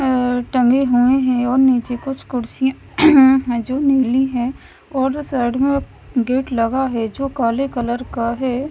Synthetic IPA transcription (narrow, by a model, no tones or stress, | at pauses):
ʈɐ̃ŋɡeɦueɦɛ̃ɔːɾniːt͡ʃekʊt͡ʃʰkʊɽsijã | ɦɛd͡ʒoːneːliɦɛ̃ | ɔːɾsɐɾɽmẽ | ɡeːʈlɐɡaɦɛd͡ʒoːkaːlekɐləɾkaɦɛː